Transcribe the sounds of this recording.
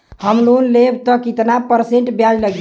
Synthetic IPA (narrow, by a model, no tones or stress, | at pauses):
həmlunlebt̪ɔkit̪napəɾseɳʈbjalləɡ